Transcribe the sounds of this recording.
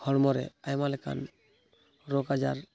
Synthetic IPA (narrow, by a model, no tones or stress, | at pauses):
ɡʰʱɔɽmɔɾɛ̰ajmalɛka̰n | ɾokad͡ʒaɾ